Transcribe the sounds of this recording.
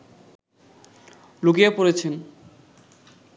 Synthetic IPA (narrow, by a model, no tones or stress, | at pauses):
lukiepoɾet͡ɕʰen